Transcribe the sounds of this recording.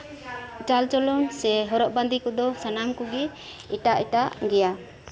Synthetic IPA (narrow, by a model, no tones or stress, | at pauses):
t͡ʃalt͡ʃɔlɔnsɛɦɔɾɔʔband̪ikɔd̪ɔsanamkɔɡɛ | iʈaʔiʈaʔɡɛja